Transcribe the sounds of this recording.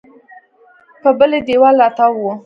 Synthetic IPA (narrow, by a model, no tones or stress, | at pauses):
pəbəled̪ewɑlɑt̪awwo